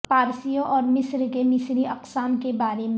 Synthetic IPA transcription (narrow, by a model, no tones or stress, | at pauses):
paːɾsijõʔɔːɾmɪsɾkemɪsɾiɐqsaːmkebaːɾem